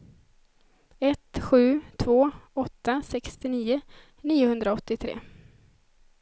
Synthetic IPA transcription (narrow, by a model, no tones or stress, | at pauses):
ɛt̪ɧʉ̟ːt̪ʰvoːɔt̪ːasɛkst̪ɪniːʊ | niːʊhɵnd̪ɾaɔt̪ːɪt̪ʰɾḛː